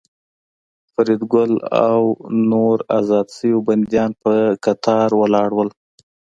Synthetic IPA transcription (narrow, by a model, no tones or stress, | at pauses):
faɾid̪ɡʊla̰wnoɾa̰zɑd̪səjoband̪jɑnpəkat̪ʰɑɾwəlɑɽwəl